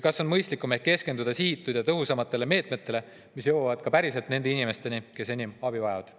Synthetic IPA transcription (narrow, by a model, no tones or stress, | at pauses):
kɑsːo̞nmɤjst̪likːˑume̞t̪̚ke̞ske̞nd̪ud̪̥ɑsiːt̪ːˑud̪̥jɑt̪ɤɦusɑmɑt̪ːˑe̞le̞me̞ːt̪me̞t̪ːe̞le̞ | misjowɑvɑd̪̚kɑpæɾise̞lt̪ne̞nd̪e̞inime̞st̪e̞nike̞se̞nʲimɑbivɑe̞vɑd̪̥